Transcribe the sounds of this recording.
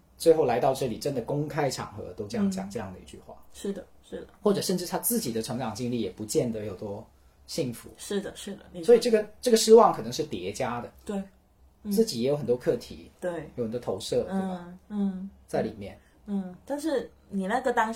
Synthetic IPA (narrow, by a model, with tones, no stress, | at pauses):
t͡swe˥˧ɪxo˥˩ʊla˧ɪt̪ɑ˥˧ʊʈ͡ʂɤ˥˩li˨˩ʈ͡ʂə˥nd̪ə˨kʊ˥ŋkʰa˥ɪʈ͡ʂʰɑ̰˨˩ŋxɤ̰˧˥t̪o˥ʊʈ͡ʂɤ˥˧jɑ˥˩t͡ɕjɑ̰˨˩ŋʈ͡ʂɤ˥˧jɑ˥˩ŋd̪ə˩ḭ˧˥t͡ɕy̰˥˧xwa̰˥˩ʂɻ̩˥˩d̪ə˩ʂɻ̩˥˩d̪ə˩xwɔ˥˩ʈ͡ʂɤ˨˩ʂə˥˧nʈ͡ʂɻ̩˥˩t̪ʰa˥t͡sɹ̩˥˩t͡ɕi˨˩d̪ə˦ʈ͡ʂʰɤ˧˥ŋʈ͡ʂɑ˨˩ŋt͡ɕi˥ŋli˥˩jɛ˨˩pu˧˥t͡ɕjɛ˥˩nd̪ə˩˦jo˨˩ʊt̪wɔ˥ | ɕi˥˩ŋfṵ˧˥ʂɻ̩˥˩d̪ə˩ʂɻ̩˥˩d̪ə˩swɔ˧˥i˨˩ʈ͡ʂɤ˥˩ɡə˩ʈ͡ʂɤ˥˩ɡə˩ʂɻ̩˥wɑ˥˩ŋkʰɤ˨˩nɤ˧˥ŋʂɻ̩˥˩t̪jɛ˧˥t͡ɕja˥d̪ə˩t̪we˥˩ɪ | t͡sɹ̩˥˩t͡ɕi˨˥jɛ˧˩jo˧˥xə˨˩t̪wɔ˥kʰɤ˥˩t̪ʰḭ˧˥jt̪we˥˩ɪjxə˨˩t̪wɔ˥tʰo˧˥ʊʂɤ˥˩t̪e˥˩˨n̩˥˩t͡sa˥˩ɪli˨˩mjɛ̰˥˩n | n̩˥˩t̪a˥˧nʂɻ̩˥˩ | ni˨˩na˥˧˥ɡə˨˧t̪ɑ˥ŋ